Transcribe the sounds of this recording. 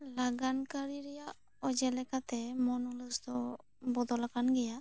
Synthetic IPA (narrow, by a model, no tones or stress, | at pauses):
laɡankaɾiɾɛja | ɔd͡ʒɛlɛkat̪ɛmɔnulusd̪ɔ | bɔd̪ɔlakanɡɛja